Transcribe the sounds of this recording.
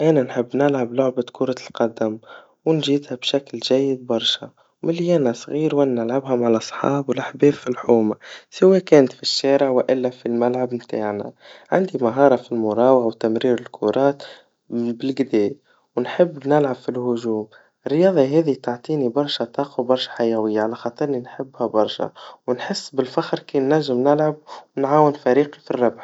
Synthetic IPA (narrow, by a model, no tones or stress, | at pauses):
ʔananħɪbːnɪlʕablʊʕbakʊɾˤɑlqɑd̪am | wɪnʒiːd̪habʃaklʒæjːɪd̪̚bɑɾˤʃa | wmɪljæːnasˤɣiːɾwannɪlʕabɦʊmʕalasˤħɑ̰ːbwɪlʔaħbeːbfilħuːmasaweːkæːnt̪fiʃːæːɾɪʕwɪʔɪlːafilmalʕabmt̪a̰ːʕna̰ | ʕa̰nd̪imaɦɑːɾˤɑfilmʊɾˤɑːwɑɣawt̪amɾiːɾɪlkʰʊɾˤɑːt̪ | bɪlɡɪd̪ɛːj | wnħɪbːnɪlʕabfilhʊʒuːm | ɪrːjɑːðˤiɦɛːðit̪aʕt̪ˤiːnibɑɾˤʃat̪ˤɑːqɑwbɑɾˤʃḁħajæwɪjːaʕalæxɑːt̪ˤɨɾˤninħɪbːhæbɑɾˤʃa̰wnħɪsːbɪlfaxɾkinːæʒːɪmnɪlʕab̚wnʕaːwɪnfæɾiːqifirˤːɑbħ